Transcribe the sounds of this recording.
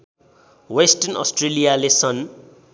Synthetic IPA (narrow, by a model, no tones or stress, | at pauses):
wesʈʌnʌ̰sʈrelijalesʌn